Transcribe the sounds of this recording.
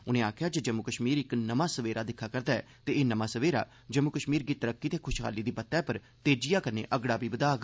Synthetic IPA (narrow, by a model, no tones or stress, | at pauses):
ʊnẽːaːkʰjaːd͡ʒəd͡ʒəmʊkəʃmiːɾɪknəmãːsəʋeːɾaːd̪ɪkʰːaːkəɾd̪aːɛ̰ː | t̪eeːnəmãːsəʋeːɾa̰ː | d͡ʒəmːʊkəʃmiːɾɡiːt̪əɾəkːiːt̪eːkʰʊʃkʰa̰ːliːd̪iːpət̪ːɛːpəɾ | t̪eːd͡ʒijaːkənḛːʔəɡɽaːbiːbəd̪aːɡ